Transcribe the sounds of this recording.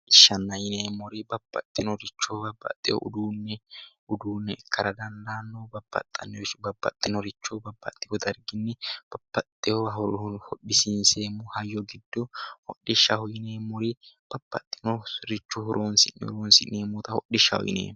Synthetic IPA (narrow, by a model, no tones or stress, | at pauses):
ʔɪʃːɐnːɐjɪneːmɔɾɪbɐbːɐ̰t̪ʼːɪnɔɾɪt͡ʃːobɐbːɐ̰t̪ʼːɪjɔ̰ʔʊ̰d̪uːnːɛ | ʊd̪uːnːɛɛkʰːɐɾɐd̪ɐnd̪aːnːoːbɐb̥ːɐ̰t̪ʼːɐ̰nːɛɔbɐbːɐ̰t̪ʼːɪnɔɾɪt͡ʃːɔbɐbːɐ̰t̪ʼːɪhɔd̪ɐɾɡɪnːɛb̥ɐb̥ːɐt̪ʼːɪhɔɦɔɾhɔɗɪsɪnseːmʊhɐjːɔɡɪd̪ːɔhɔɗːɪʃːɐhɔjɪneːmɔɾɪb̥ɐb̥ːɐ̰t̪ʼːɪnɔɾɪt͡ʃːʊhʊɾʔoːnsɪ̰nɛ̰ɾoːnsɪ̰neːmɔːt̪ɐhɔ̰ɗɪʃːɐ̰hɔ̰jɪ̰nḛː